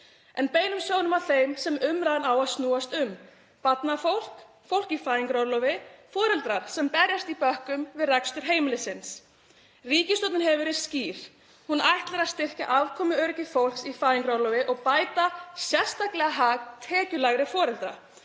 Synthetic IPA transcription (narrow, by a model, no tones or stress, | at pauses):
ɛnpeːjnʏmsjownʏmawθejmsɛmʏmɾajðanaːwaðst̪nuːast̪ʏm | pat̪nafowl̥k | fowl̥cifaːjiŋkɾɔɾlɔvɪfɔːɾɛlt̪ɾaɾ̥sɛmpɛɾjast̪ipœhkʏmvɪðrɛkst̪ʏɾ̥ɦeːjmɪlɪsɪns | riːcɪst̪ɔt̪nɪnɦɛvʏɾɪsciːɾ̥ | hunajht̪laɾaðst̪ɪr̥ca̰ʔavkʰɔːmʏœɾcɪfowl̥ksifaːiŋkɾɔwɾlɔvɪʔɔɣpaːjt̪asjɛr̥st̪aklɛɣaɦakt̪ʰɛːcʏlaɣɾɪfɔːɾɛlt̪ɾa̰